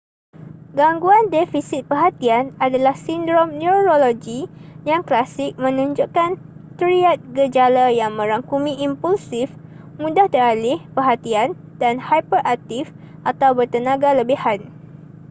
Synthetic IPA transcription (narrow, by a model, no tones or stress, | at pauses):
ɡaŋɡuandefisit̪̚pəɦat̪ianadalahsindɾɔmnuɾoloɡijaŋklasɪk̚mə̃nũɲd͡ʒuʔkan | t̪əɾiat̪̚ɡəd͡ʒalajaŋmə̃ɾaŋkumĩʔimpulsɪf | mũdaht̪əɾalɪhpərɦat̪ian | danhajpərʔak̚t̪if | ʔat̪awbərt̪ənãɡaləbihan